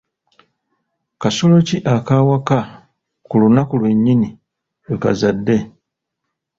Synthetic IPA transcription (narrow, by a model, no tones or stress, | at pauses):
kasolo̞ciʔakaːwaka | kulunakulwe̞ɲːini | weka̰zadːe̞